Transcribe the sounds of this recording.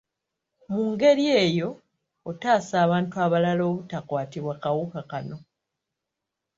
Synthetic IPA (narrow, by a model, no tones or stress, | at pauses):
muːŋɡe̞ɾie̞ːjo̞ː | taːsaːβaːntuaβalalo̞ːβutakwaːtiβwakawukakano̞